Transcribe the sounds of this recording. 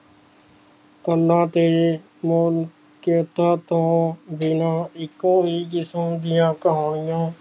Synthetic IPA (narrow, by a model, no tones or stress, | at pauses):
kəlːãːt̪eː | moːn | keːt̪ãːt̪õːbɪnãːɪkːõːɦiːkɪsəmd̪ɪjãːkəɦoːɳɪjãː